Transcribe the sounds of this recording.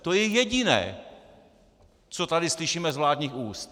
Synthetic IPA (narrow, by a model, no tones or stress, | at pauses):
t̪ojɛjɛɟɪnɛ̰ː | t͡sot̪adɪslɪʃiːmɛzvlaːd̪ɲiːxuːst̪